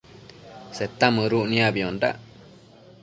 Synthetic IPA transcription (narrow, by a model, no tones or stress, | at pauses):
set̪ːamɨ̃ɾuʔnĩãbiõnɖa̰ʔ